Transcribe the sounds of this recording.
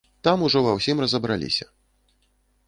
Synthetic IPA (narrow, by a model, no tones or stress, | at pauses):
t̪amuʐɔvawsʲimrɐzɐbɾalʲḭsʲɐ